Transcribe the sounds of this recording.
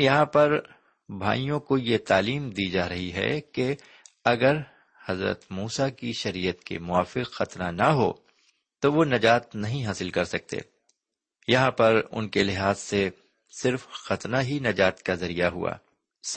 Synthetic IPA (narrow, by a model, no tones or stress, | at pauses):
jɐɦãpɐɾ | bʱa̰ːijõkojet̪aːliːmd̪id͡ʒaːɾɐɦiɦɛ̰ke | ɐɡəɾ | hɐzɾə̰t̪muːsakiʃɐɾijət̪kḛmʊaːfɪqxɐt̪nanɐɦo̰ | t̪oʋonɐd͡ʒaːt̪̚nɐɦĩɦaːsɪlkɐɾsɐk̚t̪ḛː | jɐɦãpɐɾʊ̰nkelɪɦaːzse | sɪɾfxɐt̪naɦinɐd͡ʒaːt̪kazɐɾijaɦṵa̰ː | s